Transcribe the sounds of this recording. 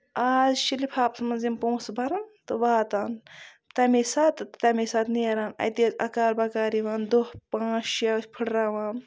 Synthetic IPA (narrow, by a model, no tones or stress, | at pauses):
aːzʃilipʰaːpsmɐnzimpõːsbʱɐɾɐnt̪ɨʋaːt̪aːn | t̪ɐmesaːt̪t̪ɐmesaːt̪neːɾaːnɐ̰jt̪izɐ̰kaːɾbɐkaːɾiʋaːnd̪ohpãːt͡ʃʃjaːsʲpʰɨɽɾaːʋaːn